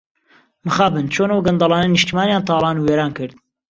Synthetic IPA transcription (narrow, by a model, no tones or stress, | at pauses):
mɨxaːbɨnt͡ʃʰoːnɐəwɡɐnd̪ɑlˠɑːnɐnɨʃt̪imaːnjaːnt̪ʰɑːlˠɑːnuweːɾaːnkɨɾd̪̚